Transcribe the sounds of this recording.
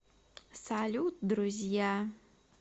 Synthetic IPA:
salʲut̪̚d̪ɾuzʲja

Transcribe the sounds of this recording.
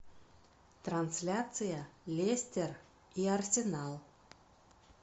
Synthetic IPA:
t̪ɾansʲlʲat̪sɨjalʲesʲtʲer | iarsʲɪnalˠ

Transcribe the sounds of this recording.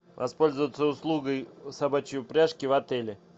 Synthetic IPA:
vɐspo̞lʲzəvət̪səʊslˠuɡəjsabat͡ɕɪjʊpɾʲaʂkʲɪvɐt̪ɛlʲɪ

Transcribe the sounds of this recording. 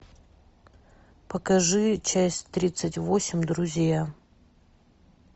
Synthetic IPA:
pəkɐʐɨt͡ɕæsʲtʲt̪ɾʲit̪sətʲvosʲɪmʲd̪ɾʊzʲja

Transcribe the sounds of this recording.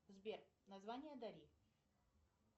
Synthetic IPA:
zbʲernɐzvanʲɪjəd̪ɐɾʲi

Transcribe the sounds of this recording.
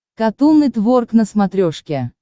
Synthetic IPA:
kat̪unːɨjt̪vorknəsmat̪ɾʲoʂkʲe

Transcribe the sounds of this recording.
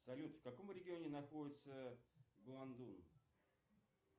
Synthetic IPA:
sɐlʲut̪fkɐko̞mɾʲɪɡʲɪo̞nʲɪnɐxo̞dʲɪt̪səɡlˠɐnd̪un

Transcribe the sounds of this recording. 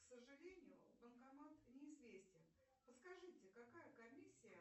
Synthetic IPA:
ksəʐɨlʲenʲɪjʊbənkɐmat̪nʲɪɪzvʲesʲtʲɪn | pəskɐʐɨtʲɪkɐkajəkɐmʲisʲːɪjə

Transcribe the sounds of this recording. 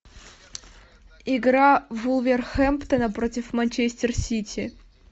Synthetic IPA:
iɡɾavulˠvʲerxɛmpt̪ənɐpɾotʲɪfmɐnʲt͡ɕesʲtʲɪrsʲitʲɪ

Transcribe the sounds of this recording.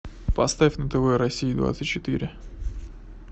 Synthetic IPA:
pɐst̪afʲnət̪ɛvɛɾɐsʲiːd̪va̰t̪sɨtʲt͡ɕːɪt̪ḭɾʲɪ

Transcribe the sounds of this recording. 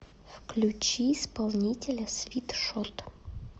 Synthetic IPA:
fklʲut͡ɕiːspɐlˠnʲitʲɪlʲɐsvʲit̪ʂot̪

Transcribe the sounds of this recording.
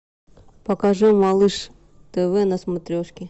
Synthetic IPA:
pɐkɐʐumɐlˠɨʂ | t̪ɛvɛnɐsmɐt̪ɾʲoʂkʲɪ

